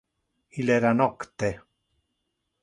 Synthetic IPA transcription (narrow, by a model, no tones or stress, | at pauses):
ileɾanokt̪e